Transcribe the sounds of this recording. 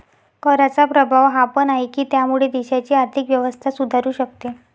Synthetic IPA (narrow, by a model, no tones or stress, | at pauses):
kəɾat͡sapɾəbʱaʋɦapənaɦikiːt̪jamuɭed̪iɕat͡ɕiːaɾt̪ʰikʋjəʋəst̪ʰasud̪ʱaɾuːɕək̚t̪e